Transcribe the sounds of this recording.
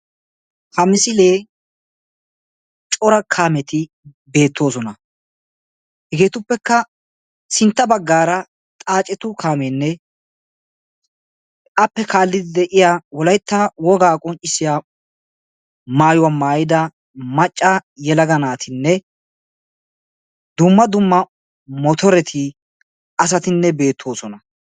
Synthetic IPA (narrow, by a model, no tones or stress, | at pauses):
hɐmɪsɪleː | t͡ʃʼɔɾɐkʰaːmɛt̪ɪ | be̞ːt̪ːo̞ːs̬ɔnɐ | hɛɡe̞ːt̪ʊpːɛkːɐ | sɪnt̪ːɐbɐɡːaːɾɐ | t̪ʼaːt͡ʃʼɛt̪ʊkʰaːmeːnːɛ | ʔɐpːɛkʰaːlːɪd̪ɪd̪ɛʔɪjawɔlɐjt̪ːɐwɔɡaːkʼɔnt͡ʃʼːɪsːɪjaː | maːjʊwamaːjɪd̪ɐ | mɐt͡ʃʼːɐjɛlɐɡɐnaːt̪ʰɪnːɛ | d̪ʊmːɐd̪ʊmːɐ | mɔt̪ʰɔɾɛt̪ʰɪ | ɐs̬ɐt̪ɪnːɛbe̞ːt̪ʰːo̞ːsɔnɐ